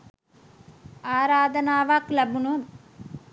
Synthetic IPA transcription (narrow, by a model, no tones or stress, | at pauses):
aːɾaːd̪ənaːʋaklæbunun